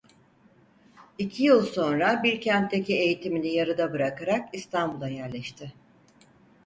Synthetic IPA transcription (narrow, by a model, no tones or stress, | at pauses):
icʰijɯlˠso̞nɾabiɾcʰɛnt̪d̪ecie̞jit̪ʰiminijaɾɯd̪abɯɾakaɾakist̪ʰanbulˠajæɾlʲɛʃt̪ʰɪ